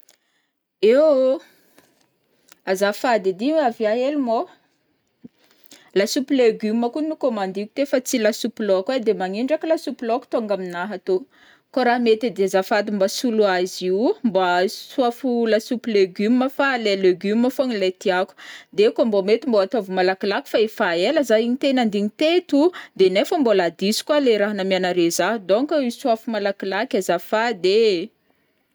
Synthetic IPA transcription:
ew | azafad̪id̪iavjaɦelumo | lasupileɡyməkunukomand̪iku̥t̪efat͡silasupilokwed̪emaŋiɳɖ͡ʐakilasupilɔku̥t̪oŋɡaminaɦat̪o | koɾaɦmet̪ed̪eazafad̪imbasuluaziwmbasuafulasupileɡyməfaleleɡyməfonilet̪iaku̥d̪ekambomet̪imboat̪ovumalakilaku̥faefaeləzaiɲit̪enand̪iɲit̪et̪ud̪enefəmbolad̪isi̥kwaleɾaɦanamianaɾezaɦud̪oŋkaisuafumalakilakʲazafad̪e

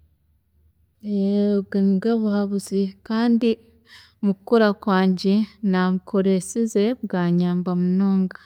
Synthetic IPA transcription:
eɡenɡeβuhaβuzikaːndi | mukukuɾakwaːɲɟenaβukʰoɾesizeβɡaːɲaːmbamunoːŋɡa

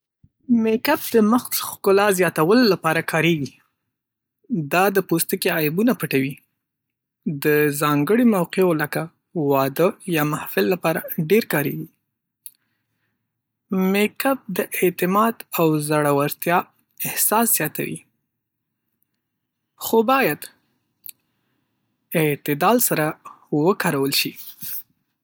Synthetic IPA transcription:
mekap̚d̪əməxt̪xkʊlɑzjɑt̪awəlolapɑɾakʰɑɾeɡi | d̪ɑd̪əpost̪əkeajbunapəʈawi | d̪əzɑŋɡəɽemawqeolaka | wɑd̪əjɑmahfɪlːapɑɾaɖeɾkɑɾḛɡi | mekap̚d̪əʔet̪ɪmɑd̪awzaɽawaɾt̪jɑ | ɪhsɑsz̥jɑt̪a̰wḭ | xobɑjad̪ | ɪt̪ɪd̪ɑlsaɾawəkɑɾawəlʃi

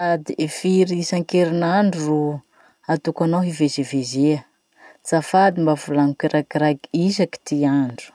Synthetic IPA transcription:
ad̪iʔefiɾisaŋkeɾinaɳɖ͡ʐuru | at̪ukanawɦivezevezeə | t͡safad̪imbavulaŋukiɾʔaɡiɾaɡiisaki̥t̪iaɳɖ͡ʐu̥

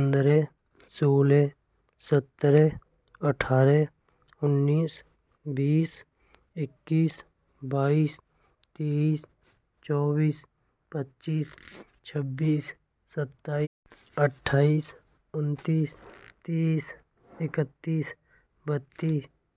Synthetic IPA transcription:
nd̪ɾe | soːle | sət̪ːɾe | əʈʰaːɾe | ʊnːiːs | biːs | ɪkːiːs | baːiːs | t̪eːs | t͡ʃɔːbiːs | pətːt͡ʃiːs | t͡ʃʰəbːiːsː | ət̪ːaː | əʈʰːaːiːs | ʊnt̪iːst̪eːs | ɪkət̪ːiːs | bət̪ːiːs

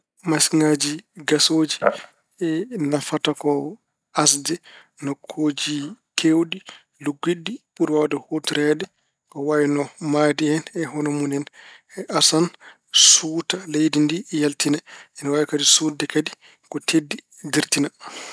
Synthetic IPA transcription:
masŋad͡ʒiɡasoːd͡ʒi | ɛnafatakɔ | as̬dɛ | nɔkʰːoːd͡ʒikʰewɗi | luɡːiɗːiɓuɾwawadɔhotiɾɛdɛ | kɔwajɛnɔmadiɛnɛɦɔnɔmunɛnɛʔasan | sutalejdindijaltinaɛnwawɛkadisuːdɛkadi | kɔtʰedːi | diɾtina

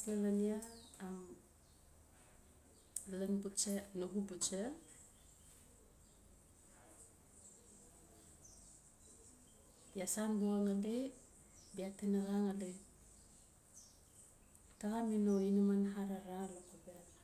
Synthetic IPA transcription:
pelaniaːm | laŋbut͡ʃenoɡubut͡ʃe | biasanboaŋade | biatenaɣaŋadej | taɣaminoinamanɦaɾaɾalokobea

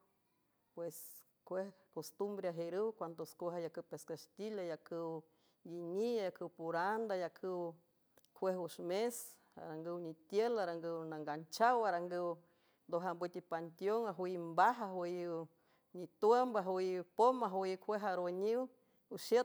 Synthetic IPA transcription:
pwes | kʷehkost̪umbɾeaɦeɾɨwkʷand̪oskʷoɦajakɨwpeskast̪ilajakɨw | jiɲiajakɨwpuɾand̪ajakʰɨw | kʰʷwehuʃmes | a̰ɾaŋɡəwnit̪jelaɾaŋɡəwnaŋɡant͡ʃawaɾaŋɡəw | nd̪oɦambɨt̪ipant̪joŋaɦwumbaɦaɦj | ɲit̪wembaɦwpomaɦwjkʰʷeɦaɾoɲiw | uʃə

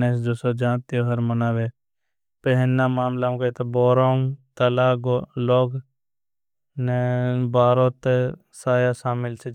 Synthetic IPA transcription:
nesd͡ʒoːsod͡ʒãːt̪ioɦɐɾmɐnaːʋe | pɛɦɪnːamaːmlãkɐt̪ɐboːɾaːmt̪ɐlaːɡoloːɡ | nebaːɾõːt̪e | saːjasaːmɪlt͡ʃʰe

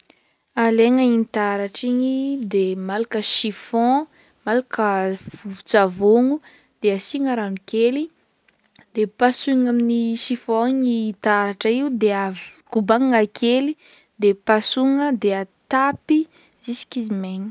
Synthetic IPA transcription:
aleŋəinit̪aɾaʈ͡ʂiɲid̪emalakəʃifɔ̃ | malakəvuut͡savoŋu | d̪̥easiŋəɾanukeli | d̪̥epasuŋaminiʃifɔɲit̪aɾaʈ͡ʂəiud̪eakubaŋŋakʰeli | d̪epasuŋəd̪eat̪api | zisi̥kizimeɲi̥

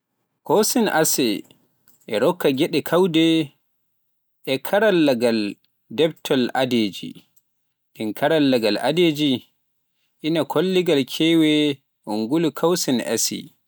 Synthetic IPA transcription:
kɔsina̰sɛ | ʔɛɾɔkːaɡɛɗɛkʰawdɛ | ʔɛkʰaɾalːaɡal | dɛb̚tʰɔla̰deːd͡ʒḭ | ɗinkʰaɾalːaɡala̰ded͡ʒi | ʔinakʰolːiɡalkʰɛwɛ | uŋɡulukʰawsina̰sḭ

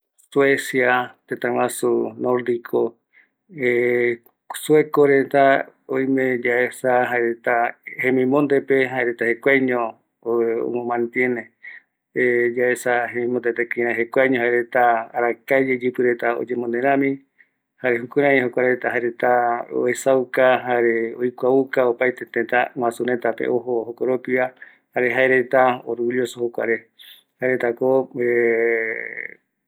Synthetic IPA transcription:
swesjat̪et̪ãwasunoɾd̪ikʰo | e | suekoɾet̪aojmẽd͡ʒaesaɦaeɾet̪ahemĩmõnd̪epeɦaeɾet̪ahekʷajɲõ | o̰mõmãnt̪jene | ed͡ʒaesaɦemĩmond̪et̪ekiɾ̃ãɦekʷajɲõhaeɾet̪aːɾakad͡ʒed͡ʒɨpɨɾet̪ao̰d͡ʒemõnd̪eɾ̃ãmĩ | haɾeɦukuɾãɦokʷaɾet̪aɦaeɾet̪ao̰esawkaɦaɾeojkʷaukaopajt̪et̪et̪aŋwãsuɾẽt̪apḛʔoɦoɦokoɾopia | haɾeɦaeɾet̪aoɾuljosohokʷa̰ɾe | haeɾet̪akoe

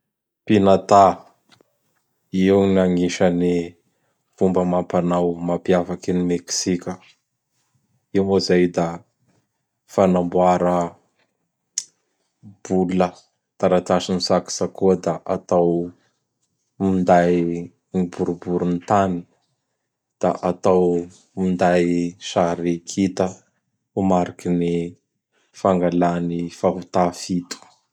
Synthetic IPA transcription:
pinat̪a | iwniaŋiʃani | fumbəmampanawmapjafakinimeksikʲə | imozajd̪a | fanambuaɾə | b̥ulə | t̪aɾat̪aʃinisaki̥sakuəd̪aʔat̪aw | mind̪aj | nibuɾubuɾunt̪ani̥ | d̪̥a̰ʔat̪aw | mind̪ajʃaɾikʰit̪ə | umaɾikini | faŋɡalanifaɦut̪afit̪u̥

